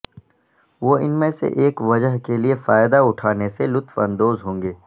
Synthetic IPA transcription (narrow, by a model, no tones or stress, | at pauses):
ʋoːɪnmẽsḛʔeːkʋɐd͡ʒəɦkeliefaːjd̪aʊʈʰaːneselʊt̪fɐ̰̃nd̪oːzɦõːŋɡeː